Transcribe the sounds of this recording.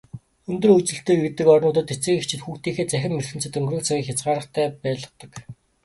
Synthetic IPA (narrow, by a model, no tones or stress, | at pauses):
ɵnt̪ɵ̆rɵt͡ɕɘ̆ɬt̪eːet̪ːɘ̆kɔrnʊːt̪̬ə̆t̪et͡sɘ̆kekt͡ɕʰɪ̆t̪xuːxt̪iːxeːt͡sæxʲɪ̆mːerxɘ̆nt͡sɘ̆t̪ɵŋɡrɵ̆ːnt͡sʰaɣʲiːkxʲjat͡sɢaːɾə̆χt̪ʰæːpæːɮə̆t̪ə̆k